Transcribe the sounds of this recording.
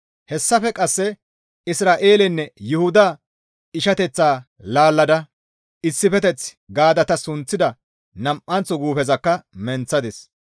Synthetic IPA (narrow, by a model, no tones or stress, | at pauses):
hɛsːɐfɛkʼɐsːɛ | ɪsɾaːʔe̞ːlɪnːɛjʊhʊd̪a | ɪʃɐt̪ɛt͡sːaː | laːlːɐd̪ɐ | ɪsːɪfɛt̪ɛt͡s | ɡaːd̪ɐt̪ɐsʊnt͡sːɪd̪ɐ | nɐmʔʔɐnt͡sːɔɡuːfɛzɐkːɐmɛnt͡sːɐd̪ɪs